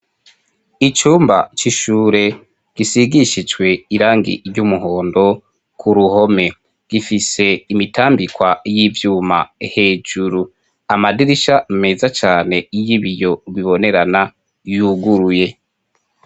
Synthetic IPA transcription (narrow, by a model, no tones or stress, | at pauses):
it͡ʃuːmba̰t͡ʃiʃuːɾe̞ | ɡ̥isiɡiʃid͡ʒwe̞iɾaːŋɡḭɾɟumuɦo̞ːndo̞ | kʰuɾuho̞me̞ | ɡ̥ifise̞imitaːmbikwajivjuːma̰he̞ːd͡ʒuɾu | amadiɾiʃame̞zat͡ʃaːne̞ijiβijo̞βiβo̞ne̞ɾana | juɡuɾuje̞